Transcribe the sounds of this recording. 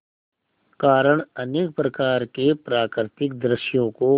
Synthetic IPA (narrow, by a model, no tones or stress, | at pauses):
kaːɾəɽ̃ɐneːk̚pɾɐkaːɾkepɾaːkɾɪt̪ɪk̚d̪ɾɪʃjõko